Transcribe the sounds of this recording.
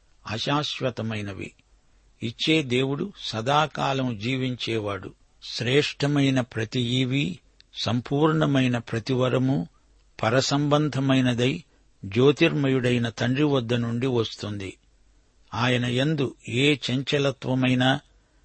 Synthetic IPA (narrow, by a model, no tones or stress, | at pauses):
ɐ̰ʃaːʃʋɐt̪ɐmɐjnɐʋḭ | it͡ʃːe̞ːd̪e̞ːwuɽusɐd̪aːkaːlɐmud͡ʒiːʋiɲt͡ʃɛːʋaːɽṵ | ʃɾɛːʂʈɐmɐjnɐpɾɐt̪ijiːʋi | sɐmpuːɾɳɐmɐjnɐpɾɐt̪iʋɐɾɐmu | pɐɾɐsɐmbɐnd̪ʱɐmɐjnɐd̪ɐj | d͡ʒo̞ːt̪iɾmɐjuɽɐjnɐt̪ɐɳɖiʋɐd̪ːɐnuɳɖiʋɐst̪und̪i | aːjɐnɐend̪ueːt͡ʃɐɲt͡ʃɐlɐt̪ʋɐmɐjnɐ